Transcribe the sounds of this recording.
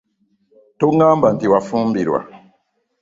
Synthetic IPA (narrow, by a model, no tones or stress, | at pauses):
toŋɡãmbantiwafũmbiɾṵwa̰